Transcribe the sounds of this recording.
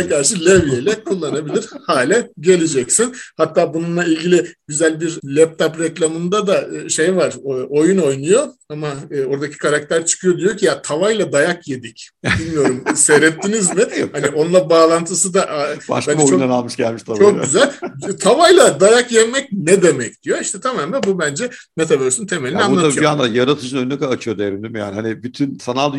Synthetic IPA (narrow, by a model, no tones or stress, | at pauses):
kʰaɾʃɯlʲevjejlʲɛkʰulˠːanabilʲiɾ̥haːlʲɛɟe̞lʲed͡ʒɛcsinhat̪ːaːbununlˠailʲɟʲilʲiɟyzælʲbiɾlʲɛp̚t̪ʰapɾeclʲamɯnd̪ad̪aʃejvaɾ̥o̞juno̞jnujo̞amaɯːo̞ɾd̪acʰi̥kʰaɾak̚t̪ʰæɾt͡ʃʰɯ̥kʰɯjo̞d̪ijo̞cʰijat̪ʰavajlˠad̪ajakje̞d̪ic | bilʲmijo̞ɾumseɾɛt̪ːinizmɪhaniʔo̞nlˠabaːlˠant̪ʰɯsɯd̪aʔaba̰ʃbænot͡ʃonanalˠmɯʃɟælʲmiʃt̪ʰat͡ʃʰok̚ɟyzælʲt̪ʰavajlˠad̪ajakjɛmɛc̚nɛd̪e̞mɛc̚d̪̥ijo̞iʃt̪ʰɛt̪ʰamaːmlɛbubænd͡ʒɛ | met̪ʰavøɾsynt̪ʰe̞melʲinianːˠaaiand̪ajaɾat̪ʰɯd͡ʒɯnønɛkːat͡ʃʰɯjod̪eɾimd̪imija̰ːnihanibyt̪ʰynfanalˠd̪